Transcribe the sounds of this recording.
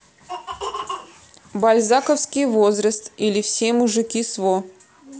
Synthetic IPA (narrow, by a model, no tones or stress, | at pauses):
balʲzakəfskʲijvozɾəst̪ilʲɪfsʲemʊʐɨkʲisvo